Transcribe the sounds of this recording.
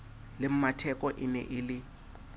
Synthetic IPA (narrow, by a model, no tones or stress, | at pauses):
lɪm̩matʰɛkʼɔʔɪnɛ̰ʔɪlɪ